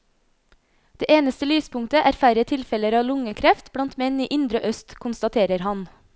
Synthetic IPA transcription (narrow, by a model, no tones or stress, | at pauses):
d̪̥eːʔeːnəst̪əlyːspʰʊŋt̪əʔæːɾfæɾət̪ʰɪlfɛləɾɑːlʊŋəkʰɾɛft̪blɑnt̪mɛniːʔɪnd̪ɾəʔœst̪kʰʊnst̪ɑt̪ʰeːɾəɾhɑn